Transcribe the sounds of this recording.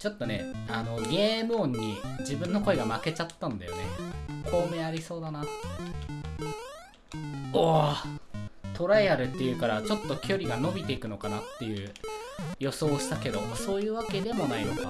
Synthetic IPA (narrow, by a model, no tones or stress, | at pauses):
t͡ɕo̞t̪ːo̞ne̞̰ano̞ɡʲe̞ːmɯ̟õ̞ɲ̟ːid͡ʑibɯ̟̃nːo̞ko̞e̞ɡamake̞t͡ɕat̪ːãnd̪a̰jo̞̰ne̞̰kʰo̞ːme̞ːaɾʲiso̞ːd̪anat̪ːe | o | t̪o̞ɾaiaɾɯ̟t̪ːejɯ̟kaɾat͡ɕo̞t̪ːo̞kʲʰo̞ɾʲiɡano̞bʲit̪e̞ikɯ̟no̞kanat̪ːe̞jɯ̟ː | jo̞so̞ːɕi̥t̪ake̞d̪o̞̰so̞ːjɯ̟ːβake̞d̪e̞mo̞naino̞ka̰